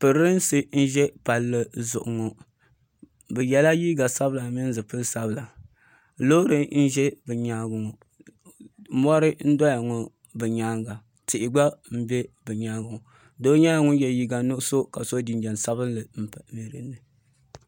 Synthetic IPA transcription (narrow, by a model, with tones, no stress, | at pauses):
pɨ˨ɾɨ˦n˦sɨ˦n̩˦ʒɛ˦pa˨lːɨ˦zʊ˨ʔʊ˨ŋo˨ | bɨ˨jɛ˨la˦jiː˦ɡa˨sa˦bɨ˦la˨mi˦n˦zɨ˨pɨ˦lsa˦bla˨ | loː˦ɾɨ˦n̩˦ʒɛ˦bɨ˨ɲaː˦ɡʊ˨ŋʊ˨˦ | mɔ˦ɾɨ˦n̩˦dɔ˦ja˨ŋʊ˨ | bɨ˨ɲaː˦ɡa˨ | tɪ˨ʔɪ˨ɡ͡ba˦m̩˦bɛ˦bɨ˨ɲaː˦ɡʊ˨ŋʊ˨ | do˦ɲa˦ŋʊ˦n˦jɛ˨ji˦ɡa˨nʊ˦so˦ka˨so˦di˨nd͡ʒɛ˨n˨sa˦βɨ˦nlɨ˨m̩˦pmi˨ɾɨ˨nːɨ˨